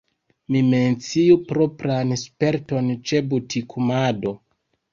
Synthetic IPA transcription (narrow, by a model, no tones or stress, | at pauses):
mime̞nt͡siupɾo̞pɾanspe̞ɾto̞nt͡ʃe̞butʰikʰumado̞